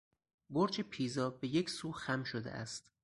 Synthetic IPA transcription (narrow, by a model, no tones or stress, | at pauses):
boɾt͡ʃʰepʰiːzɒːbe̞jecʰsuːxæmʃod̪ḛʔæ̰st̪